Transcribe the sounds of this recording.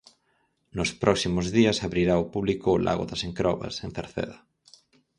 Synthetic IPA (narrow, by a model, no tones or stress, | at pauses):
nʊspɾɔksimʊzðiɐsaβɾiɾaopuβlikʊːlʔa̰ɣo̰ðaseŋkɾɔβɐ̰sẽn̟θeɾθḛðɐ